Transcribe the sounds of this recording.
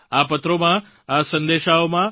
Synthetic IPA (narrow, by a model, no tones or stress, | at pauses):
apət̪ɾomã | asənd̪eʃaomã